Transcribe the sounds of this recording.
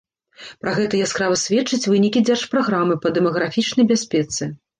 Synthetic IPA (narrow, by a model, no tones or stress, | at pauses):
pɾaɣɛt̪ɐjaskɾavɐsʲvʲɛt͡ʂːɨt͡sʲvɨnʲikʲid͡zʲɛrʂpɾaɣɾamɨpɐd̪ɛmɐɣɾafʲit͡ʂnɐjbʲasʲpʲɛt̪sɨ